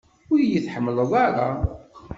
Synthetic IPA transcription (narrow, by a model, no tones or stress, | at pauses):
ʊjjiθħəmːələðˤaɾˤa